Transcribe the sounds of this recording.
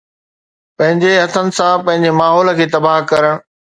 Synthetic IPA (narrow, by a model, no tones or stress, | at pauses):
pɐ̃ɦɪ̃ɲd͡ʑeɦɐt̪ʰənɪ̆sãpɐ̃ɦɪ̃ɲd͡ʑemaːɦɔːlə̆kʰeːt̪ɐbaːɦkɐɾəɽ̃